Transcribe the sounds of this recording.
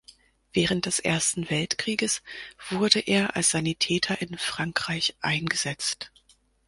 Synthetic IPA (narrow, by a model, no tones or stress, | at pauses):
v̥ɛːʁənt̚d̥ɛsʔḛːɐstn̩vɛltkʁ̥iːɡəsv̥ʊɐdəʔeːɐʔa̰lsz̥anitʰɛːtʰɐʔɪnfʁ̥aŋkʁ̥aɪçʔaɪnɡəz̥ɛt͡st